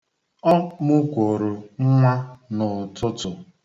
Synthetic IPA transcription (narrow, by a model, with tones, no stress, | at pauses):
ɔ˦mʊ˦kʷo˨ɾo˨ŋ̩˦ŋʷa˦nʊ˨tʊ˦tʊ˨